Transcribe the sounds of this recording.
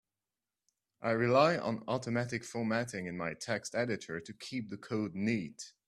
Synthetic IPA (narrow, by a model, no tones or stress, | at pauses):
ʔaɪɹɪlaɪʔə̰̃nɔɾəmæɾɨkfɔɹmæɾɪ̃ŋɨ̃nmaɪtʰɛkstɛɾɨɾə˞tʰɨkʰip̚ðəkʰoʊdⁿnid̥